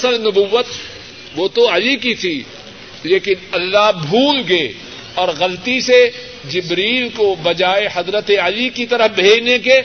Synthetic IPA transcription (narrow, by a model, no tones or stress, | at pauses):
ɐsəlnʊbuʋːət̪ | ʋot̪oɐlikit̪ʰi | leːkɪnɐlːaɦbʱuːlɡɐe | ɔːɾɣɐlt̪ise | d͡ʒɪbɾiːlkobɐd͡ʒaːehɐzɾət̪eɐlikit̪ɐɾəfbʱeːd͡ʒneke